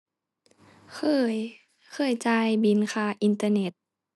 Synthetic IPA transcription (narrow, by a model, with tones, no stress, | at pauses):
kʰɤː˧˩j | xʰɤː˧˩jt͡ɕaː˧jbi˧˦nkʰaː˧˩ʔi˧nt̪aː˧ne˧˦t̪̚